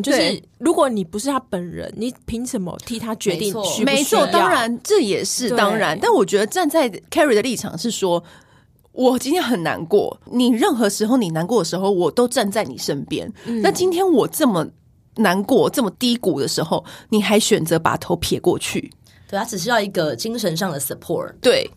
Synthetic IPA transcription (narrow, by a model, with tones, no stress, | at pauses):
t͡ɕo˥˧ʂɻ̩˥˩ɻu˧˥kwɔ˨˩˦ni˨˩pu˧ʂɻ̩ʰ˥˩a˥pə˨˩nɻə̰˧˦nni˨˩pʰi˧˥ŋʂə˨˩mə̰˨t̪ʰi˧˥t̪ʰa˥t͡ɕɥɛ˧˥˦i˥˨ŋ˥˨˥me˧˥ɪt͡sʰwɔ˥˩t̪ɑ˥ŋɻa˧˥nʈ͡ʂɤ˥˩jɛ˨˩ʂɻ̩˥˩t̪ɑ˥ŋɻa˧˦nt̪a˥˩nwɔ˨˩t͡ɕɥɛ˧˥d̪ə˨˧ʈ͡ʂa˥˧nt͡sa˥˩ɪkʰɛ˥ɹi˨˩d̪ə˩li˥˩ʈ͡ʂʰɑ̰˨˩ŋʂɻ̩˥˩ʂwɔ˥ | wʔɔ˨˩t͡ɕi˥nt̪ʰjɛ˥nxə˨˩nna̰˧˦˥nkwɔ̰˥˩ni˨˩ɻə˥˩nxɤ˧˥ʂɻ̩˧˥xo˥˩ʊni˨˩na˧˥nkwɔ˥˩d̪ə˩ʂɻ̩˧˦xo˥˩ʊwɔ˨˩t̪o˥ʊʈ͡ʂa˥˧nt͡sa˥˩ɪni˨˩ʂə˦npjɛ̰˥nna˥˩nt͡ɕi˥nt̪ʰjɛ˥nwɔ˨˩ʈ͡ʂə˥˩mə˩ | na˧˥nkwɔ˥˩ʈ͡ʂɤə˥˩mə˨˩t̪i˥ku˨˩d̪ə˦ʂɻ̩˧˥xo˥˧ʊni˨˩xa˧˥ɪɕɥɛ˨˩nt͡sɤ˧˥pa̰˨˩t̪ʰo˧˥ʊpʰjɛ˨˩kwɔ̰˥˧t͡ɕʰy̰˥˩ | we˥˩ɪa˥ʈ͡ʂɻ̩˨˩ɕ̬i˥jɑ˥˩i˧˥ɡə˧t͡ɕi˥ŋʂə˧˦nʂ̬ɑ˥˨˩ŋd̪ə˩sə˨˩pʰɔ̰˥˩t̪we˥˩ɪ